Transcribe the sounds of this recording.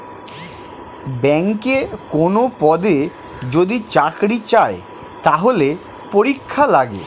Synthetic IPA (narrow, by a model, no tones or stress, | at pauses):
bɛŋkekonopɔd̪e | d͡ʑod̪it͡ɕakɾit͡ɕae | t̪aɦole | poɾikʰːalaɡḛ